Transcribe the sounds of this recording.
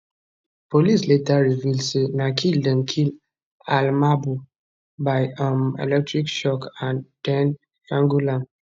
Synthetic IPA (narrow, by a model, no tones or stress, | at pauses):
polisletaɹivildsenakʰildɛ̃mkʰil | almabu | baɪamḛlɛk̚tɹikʃɔkãndɛ̃n | kãŋɡulãn